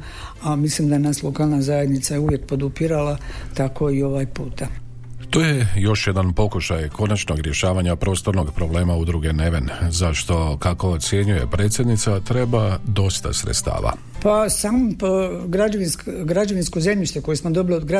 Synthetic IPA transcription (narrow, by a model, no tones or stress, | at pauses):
amislimd̪ajenaslo̞kaːlˠnazaje̞d̪nit̪sajeuʋje̞k̚po̞d̪upiɾalat̪ako̞io̞ʋajpuːt̪a | t̪oːjejo̞ʃje̞d̪anpo̞kuʃajkʰo̞nat͡ʃno̞ɡɾje̞ʃaːʋaɲapɾo̞ːst̪o̞ɾnoɡpɾoble̞ːmaud̪ɾuɡe̞ne̞ʋenzaʃt̪o̞kako̞ːt̪sje̞ɲuje̞̰pɾe̞ːt̪sje̞d̪nit̪sat̪ɾe̞bad̪o̞st̪a̰sɾet̪st̪a̰ːʋa̰ | pasaːmopɡɾad͡ʒaʋinskɡɾad͡ʒaʋinskozemʎiʃt̪eko̞jesmod̪o̞biliod̪ɡɾa